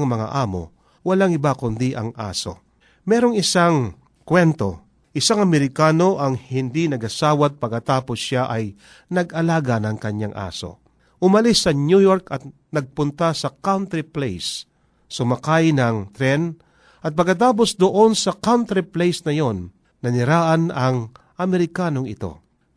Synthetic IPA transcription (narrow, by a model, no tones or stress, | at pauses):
ŋmɐŋa̰ʔaːmo̰ | wɐlaŋɪbakʊnd̪iʔɐ̰ŋʔa̰so̞̰ | mɛːɾoŋɪsaŋ | kwɛnt̪o̞̰ | ʔɪsaŋɐmɛɾɪkaːno̞ʔɐŋhɪnd̪inɐɡɐsaːwɐt̪̚pɐɡ̚kɐt̪aːpo̞sːaʔɐj | nɐɡɐlaːɡɐnɐŋkɐɲːaŋʔa̰ːso̞̰ | ʔʊmɐlisːɐnjujoɾkɐt̪̚ | nɐɡ̚pʊnt̪asɐkawnt̪ɾɪplejsː | ʊmɐkajnɐŋt̪ɾɛn | ʔɐt̪̚pɐɡkːɐt̪̬aːp̬o̞sd̪oʔo̞nsɐkawnt̪ɾiplejsnɐjo̞nː | ɐnɪɾaːʔɐnɐŋ | ʔɐmɛɾɪkaːnoŋɪt̪o̞̰